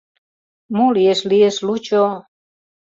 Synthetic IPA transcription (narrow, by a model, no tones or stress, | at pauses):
mulieslieslut͡ʃo